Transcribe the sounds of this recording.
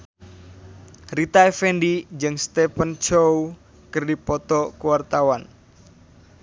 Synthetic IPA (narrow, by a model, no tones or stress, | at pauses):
rit̪aefɛndid͡ʒɨŋst̪ɛpənt͡ʃow | kɨrdipɔt̪ɔkuwart̪awan